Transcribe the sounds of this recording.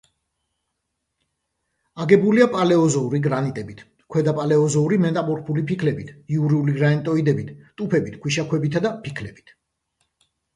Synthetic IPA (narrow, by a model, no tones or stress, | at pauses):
aɡɛbuliapʼalɛɔzɔuɾiɡɾanit̪ʼɛbit̪ʰ | kʰwɛd̪apʼalɛɔzɔuɾimɛt̪ʼamɔɾpʰulipʰikʰlɛbit̪ʰiuɾiuliɡɾaɛnt̪ʼɔid̪ɛbit̪ʰt̪ʼupʰɛbit̪ʰkʰwiʃakʰwɛbit̪ʰad̪apʰikʰlɛbi̥t̪ʰ